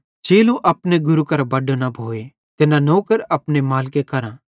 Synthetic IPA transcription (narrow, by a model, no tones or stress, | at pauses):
d͡ʒeːlũʔɐpneɡʊɾukɐɾbɐɖonɐbʱoːe | t̪enãnoːkəɾɐpnemaːlkekɐɾãː